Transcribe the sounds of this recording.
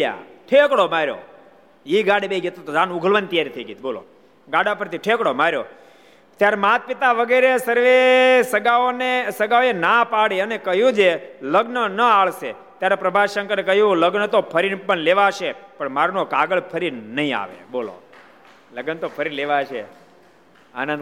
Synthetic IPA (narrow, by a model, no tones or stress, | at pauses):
ja̰ʈʰekɽomaɾjo̰ | iɡaɽebeɡet̪ot̪od͡ʒãnuɡʱəlʋənt̪ijaɾit̪ʰəiɡit̪̚bolo̰ | ɡaɽapəɾt̪iʈʰekɽomaɾjo̰ | t̪jaɾmat̪̚pɪt̪aʋəɡeɾesəɾʋesəɡaonesəɡaoenapaɽiənekəɦjũd͡ʒeləɡnənəaɭse | t̪jaɾepɾəbʱaʃə̃ŋkəɾekəɦjũləɡnət̪opʰəɾinpəɳleʋaʃepəɳmaɾnokaɡəɭpʰəɾinəɦĩa̰ʋḛbolo̰ | ləɡənt̪opʰəɾileʋaʃʰḛ | a̰nənd̪